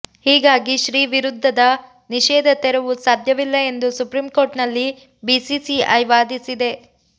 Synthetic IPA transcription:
hiːɡaːɡiʃɾiːʋiɾud̪ʱːɐd̪ɐ | niʃɛːd̪ʱɐt̪ɛɾuʋusaːd̪ʱjɐʋilːɐe̞nd̪usupɾimko̞ːɾʈnɐlːi | bisisiɐjʋaːd̪isid̪e̞

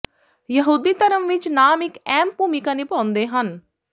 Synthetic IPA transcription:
jəɦuːd̪iːt̪əɾəmʋɪt͡ʃnaːmɪkɛːmpuːmikãːniːpãːʊ̃nd̪eːɦən

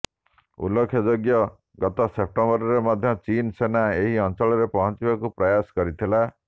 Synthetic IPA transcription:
ṵlɔkʰjɔd͡ʒoɡjɔ | ɡɔt̪ɔsep̚ʈɔmbɔɾɔɾemɔd̪ʱjɔt͡ʃinsenaeɦiɔnt͡ʃɔɭɔɾepɔɦɔnt͡ʃibakupɾɔjasɔ̥kɔɾit̪ʰila

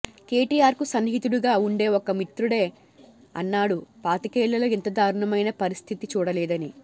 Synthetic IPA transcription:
keːʈiːjaːɾkusɐnɦit̪uɽuɡaːuɳɖe̞ːɔkɐmit̪ɾuɽe̞ː | ɐ̰nːaːɽupaːt̪ikɛːɭːɐloːɛnt̪ɐd̪aːɾuɳɐmɐjnɐpɐɾist̪ʰit̪it͡ʃuːɽɐlɛːd̪ɐni

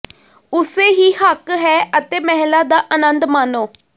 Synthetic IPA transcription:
ʊseːɦiːhəkɦɛːət̪eːmɛɦlaːd̪aːʔənənd̪maːnoː

